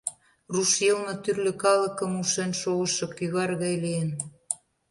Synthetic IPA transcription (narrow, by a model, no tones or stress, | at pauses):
ruʃjelnŏt̪yrlɘ̆kɑlɤ̆kə̆muʃenʃoɣə̆ʃɤ̆kyɣɑrɣɑjlijen